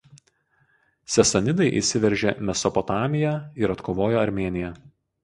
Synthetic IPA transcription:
sʲɛsɐnʲɪd̪ɐɪʔḭsʲɪʋʲɛɾʲʒʲeːmʲɛsɔpɔt̪ɑːmʲɪjɛɪɾɐt̪kʰoːʋoːjoːɐɾʲmʲeːnʲɪjɛ

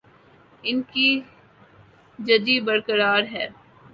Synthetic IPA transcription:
ɪnki | d͡ʒɐd͡ʒibɐɽkəɾaːɾɦɛː

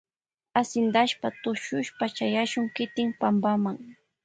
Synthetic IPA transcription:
asɪnd̪aʃpat̪ʊʃʊʃpat͡ʃajaʃʊŋkɪt̪ɪŋpambamaŋ

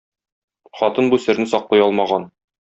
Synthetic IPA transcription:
χɒt̪ɤnbusɘ̆ɾnɘsɒqlˠɑjɒlˠmɑʁɑn

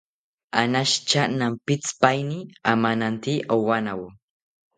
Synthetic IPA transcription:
anaʃt͡ʃanampɪt͡spajniamanant̪iʔowanaw

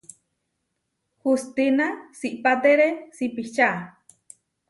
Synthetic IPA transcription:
hust̪inasiʔpat̪eɾesipiht͡ʃa

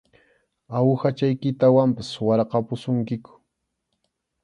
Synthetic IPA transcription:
awxat͡ʃajkɪt̪awampaswɑɾqɑpʊsʊŋkɪkʊ̥

